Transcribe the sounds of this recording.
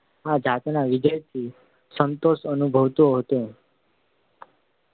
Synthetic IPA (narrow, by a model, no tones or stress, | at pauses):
ad͡ʒat̪naʋɪd͡ʒəjt̪ʰi | sənt̪oʃənubʱəʋt̪oɦət̪o